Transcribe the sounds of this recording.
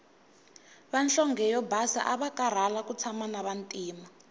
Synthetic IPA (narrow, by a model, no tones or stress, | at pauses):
βanɬɔŋɡɛjɔbasa̰ʔaβakaɾ̤alakut͡sʰamanaβantʼiːma